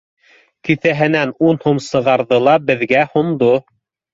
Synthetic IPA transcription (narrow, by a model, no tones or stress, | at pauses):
kiθæɦɘ̆nænunhomsɤ̆ʁɑɾðɤlˠɑbɘ̆ðɡæhŏmd̪o